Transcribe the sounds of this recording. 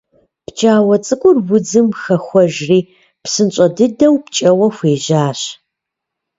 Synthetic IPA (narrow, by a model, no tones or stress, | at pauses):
pt͡ʃʼaːwɐt͡sʼɨkʷʼʊrwʊd͡zɨmxɐxʷɔʒriː | psɨnɕʼɐdɨdɐwpt͡ʃʼɐwɐxʷeːʑaːɕ